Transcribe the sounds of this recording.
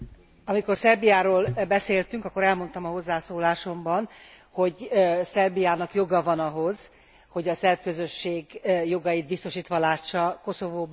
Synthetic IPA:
ɒmiko̞rsɛrbijaːɾoːlbɛseːlt̪yŋkɒkːo̞ɾɛlmo̞nt̪ɒmɒɦo̞zːaːsoːlaːʃo̞mbɒn | ho̞ɟsɛrbijaːnɒkjo̞ɡɒvɒnɒɦo̞z̥ | ho̞ɟɒsɛrpkø̞zø̞ʃːeːɡjo̞ɡɒjid̪̚bist̪o̞ʃiːt̪ʋɒlaːʃːɒko̞so̞voːb

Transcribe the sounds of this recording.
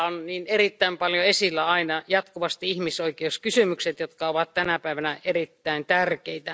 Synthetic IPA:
onniːnerit̪ːæimpɑljoesilːæɑinɑjɑt̪kuʋɑst̪iihmisoikeuskysymykset̪jot̪kɑoʋɑt̪t̪ænæpæˑiʋænæerit̪ːæint̪ærkeit̪æ

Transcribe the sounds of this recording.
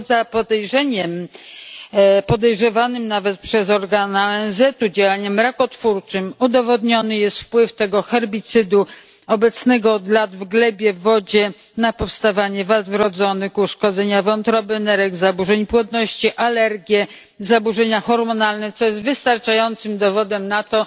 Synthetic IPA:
zapɔd̪ɛjʐɛɲɛm | pɔd̪ɛjʐɛvanɘmnavɛt̪̚pʂɛzɔɾɡanaɛnzɛt̪ud͡ʑawaɲɛmɾakɔt̪fuɾt͡ʂɘmud̪ɔvɔd̪ɲɔnɘjɛst̪fpwɘft̪ɛɡɔxɛɾbʲit̪sɘd̪u | ɔbɛt̪snɛɡɔːd̪lad̪vɡlɛbʲjɛvɔd͡ʑɛ | napɔfst̪avaɲɛvad̪vɾɔd̪zɔnɘkuʂkɔd̪zɛɲavɔnt̪ɾɔbɘnɛɾɛɡzabuʐɛɲpwɔt̪nɔɕt͡ɕiʔalɛɾɡʲjɛ | zabuʐɛɲaxɔɾmɔnalnɛt̪sɔjɛst̪vɘst̪aɾt͡ʂajɔnt̪sɘmd̪ɔvɔd̪ɛmnat̪ɔ

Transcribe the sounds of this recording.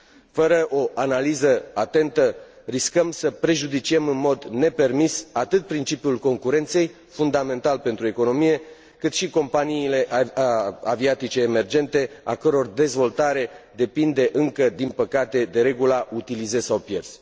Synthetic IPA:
fəɾəʔo̞ʔanalizəat̪e̞nt̪ə | riskəmsəpɾe̞ʒud̪it͡ʃiemɨnmo̞d̪ne̞pe̞rmisat̪ɨt̪̚pɾint͡ʃipjulko̞ŋkuɾe̞nt̪se̞j | fund̪ame̞nt̪alpe̞nt̪ɾue̞ko̞no̞mije̞ | kɨt̪ʃiko̞mpaniːle̞ʔ | aviat̪it͡ʃe̞ːme̞rd͡ʒe̞nt̪e̞a̰kəɾo̞rd̪e̞zvo̞lt̪aɾe̞d̪e̞pind̪e̞ʔɨŋkəd̪inpəkat̪e̞d̪e̞ɾe̞ɡulaut̪ilize̞sawpje̞rz̥

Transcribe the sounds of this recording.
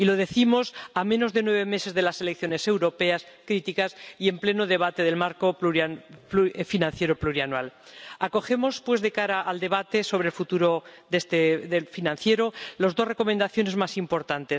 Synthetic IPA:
ilo̞ð̞e̞θimo̞samẽ̞no̞zðe̞nwe̞β̞e̞me̞se̞zðe̞lase̞lekθjo̞ne̞se̞wɾo̞pe̞askɾit̪ikasie̞mple̞noð̞e̞β̞at̪eðe̞lmaɾko̞pluapufinãnθje̞ɾopluɾianwalako̞xe̞mo̞spwe̞zðekaɾaʔːld̪e̞β̞at̪e̞so̞β̞ɾelfut̪uɾo̞ðest̪eðelfinãn̟θje̞ɾolozðo̞sre̞ko̞mend̪aθjo̞ne̞zmasimpo̞ɾt̪ant̪e̞s

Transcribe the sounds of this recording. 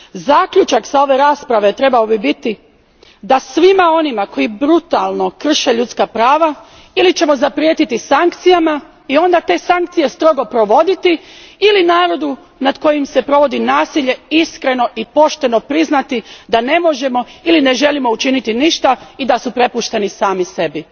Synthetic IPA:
zaːkʎut͡ʃakz̥ao̞ʋe̞ɾaːspɾaʋe̞t̪ɾe̞baobibit̪i | d̪asʋimao̞nimako̞jibɾut̪alˠno̞kr̩ʃe̞ʎut̪skapɾaːʋa | ilit͡ɕe̞mo̞zapɾje̞ːt̪it̪isaŋkt̪sijama | io̞nd̪at̪e̞ːsaŋk̚t̪sije̞st̪ɾo̞ɡo̞pɾo̞ʋo̞d̪it̪iilinaːɾo̞d̪u | nad̪ko̞jimse̞pɾo̞ʋo̞d̪inaːsiʎe̞iskɾe̞no̞ʔipo̞ʃt̪e̞no̞pɾiznat̪id̪ane̞mo̞ʒe̞mo̞iline̞ʒe̞limo̞ut͡ʃinit̪iniʃt̪aid̪asupɾe̞puʃt̪e̞nisaːmise̞bi

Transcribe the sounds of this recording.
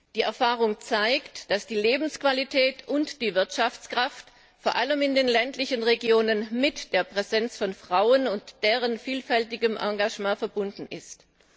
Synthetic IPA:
d̥iːɛɐfaːʁ̞ʊŋt͡saɪktd̥asd̥iːleːbn̩skv̥alitʰɛːtʊntd̥iːvɪɐtʃaft͡skʁ̥aft | foːɐʔaləmɪndeːnlɛntlɪçənʁeɡjoːnənmɪtd̥eːɐpʁ̥ɛzɛnt͡sfɔnfʁ̥aʊənʊntd̥eːʁənfiːlfɛltɪɡəmʔa̰ɡaʒmãːfɛɐbʊndn̩ɪst

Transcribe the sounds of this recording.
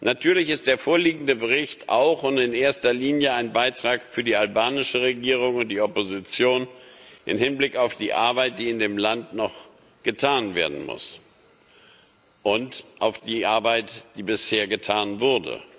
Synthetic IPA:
nʔatʰyːɐlɪçɪst̚d̥eːɐfoːɐliːɡŋ̩dəbəʁ̞ɪçtʔa̰ʊxʊntɪneːɐstɐliːnjəaɪnbaɪtʁ̥aːkfyːɐdiːalbaːnɪʃəʁeɡiːʁ̞ʊŋʊnt̚d̥iːɔpozit͡sjoːnʔɪ̰mhɪnblɪkaʊfd̥iːʔa̰ɐbaɪt̚d̥iːɪndeːmlantnɔχ | ɡ̥ətʰaːnvḛːɐdn̩mʊ̰s | ʔʊntʔaʊfd̥iːʔaɐbaɪtd̥iːbɪsheːɐɡətʰaːnvʊɐdə̰

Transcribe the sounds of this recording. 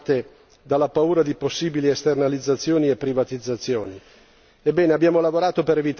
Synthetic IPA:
t̪e | d̪alːapauːɾad̪iposːiːbiliest̪ernalid̪zːat̪sːjoːniepːɾivat̪id̪zːat̪sːjoːni | ebːɛːneabːjaːmolavoɾaːt̪opeɾevit̪

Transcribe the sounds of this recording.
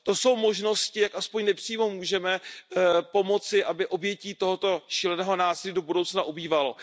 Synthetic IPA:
t̪o̞so̞wmo̞ʒno̞scɪjakʔaspo̞ɲnɛpr̝̥iːmomuːʒɛmɛ | po̞mo̞t͡sɪʔabɪʔo̞bjɛciːt̪oɦot̪o̞ʃilɛnɛːɦo̞naːsɪliːdo̞budowt͡snaʔubiːvalo̞

